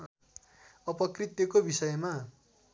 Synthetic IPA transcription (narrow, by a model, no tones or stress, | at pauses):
ʌpʌkrit̪jʌkobisʌjma